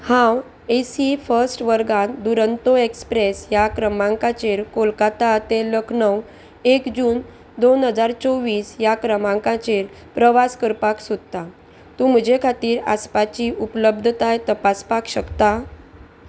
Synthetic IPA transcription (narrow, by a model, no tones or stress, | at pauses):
hãw | esifəɾsʈʋəɾɡãd̪uɾənt̪oekspɾesjakɾəmãŋkãt͡ɕeɾkolkat̪at̪eləkʰnəw | ekd͡ʑuːn | d̪onɦəd͡zaɾt͡sɔʋiːsjakɾəmãŋkãt͡ɕeɾ | pɾəʋaskəɾpaksod̪̚t̪a | t̪ũm̤əd͡ʑekʰat̪iːɾa̰spat͡ɕiʔupləbd̪ʱt̪ajt̪əpaspakɕəkt̪a